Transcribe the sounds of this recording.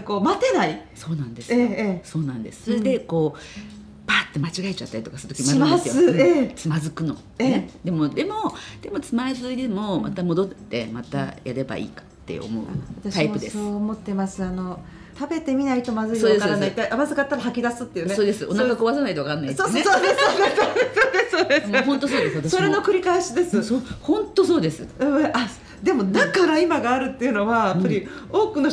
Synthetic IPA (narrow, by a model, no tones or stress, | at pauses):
koːmat̪e̞naiso̞ːnãnd̪e̞seso̞ːnãnd̪e̞sɨ̥soɾed̪e̞ko̞ː | b̥aːt̪ːe̞mat͡ɕiɡaet͡ɕat̪ːaɾʲit̪o̞kḁsɨɾɯ̥t̪o̥kʲimaasjoɨeet͡sɨmazɨkɯ̟no̞̰ | eed̪e̞mo̞d̪e̞mo̞d̪̥e̞mo̞t͡sɨmazɨid̪e̞mo̞mʔa̰t̪amo̞d̪o̞t̪ːe̞mat̪a̰ja̰ɾe̞ba̰ʔḭːkḁt̪ːḛo̰mo̞̰ɯ̰a̰βat̪aɕaipɯ̟d̪e̞oːmo̞t̪ːe̞masɨano̞ | t̪abe̞t̪e̞mʲinait̪o̞mazɨiodekaɾanait̪ːaʔamazɨkat̪ːaɾahakʲid̪asɨt̪ːe̞iɯ̟esoːd̪e̞sɨonakakoβas̬anait̪oakanːait̪soːsesod̪esoːd̪esosod̪esoːd̪eshõnt̪osoːd̪esso̞ɾe̞no̞kɯ̟ɾʲikaeɕid̪e̞sɨsohõ̞nt̪o̞so̞ːd̪e̞sɨɯʔa | d̪e̞mo̞nakaɾaimaɡaːɾɯ̟t̪ːe̞ɯ̟no̞βajapːaɾʲio̞ːkɯ̟no